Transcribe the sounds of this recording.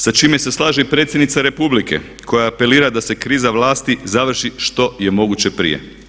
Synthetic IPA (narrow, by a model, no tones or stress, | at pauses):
sat͡ʃiːme̞se̞slˠaːʒeipɾe̞t̪sjed̪nit̪saɾe̞publike̞̰ | kʰo̞jaːpe̞liːɾad̪ase̞kɾiːzaʋlaːst̪izaʋr̩ʃiʃt̪o̞je̞mo̞ɡut͡ɕe̞pɾḭjḛ